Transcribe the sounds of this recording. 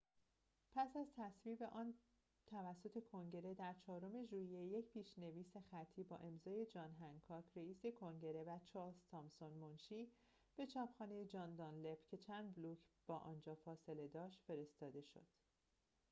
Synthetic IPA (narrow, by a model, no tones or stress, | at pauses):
pʰæsæzt̪ʰæsviːbe̞ʔɒːn | t̪ʰævæsːo̞t̪ʰe̞kʰo̞ŋɟe̞ɾe̞d̪æɾt͡ʃʰɒːɾo̞me̞ʒuːijeje̞cpiːʃne̞viːse̞xæt̪ʰːiːbɒ̰ːʔe̞mzɒːje̞d͡ʒɒːnɦæŋkʰɒːcʰɾeiːse̞kʰo̞ŋɟe̞ɾe̞væt͡ʃʰɒːzt̪ʰɒːmsonmonʃiː | b̥e̞t͡ʃʰɒːpʰxɒːnejed͡ʒɒːnd̪ɒnle̞pcʰe̞t͡ʃʰæːnd̪̚bluːcʰb̥ɒːʔɒ̰ːnd͡ʒɒːfɒːse̞le̞d̪ɒːʃt̪fe̞ɾe̞st̪ɒːd̪e̞ʃo̞̰d̪̥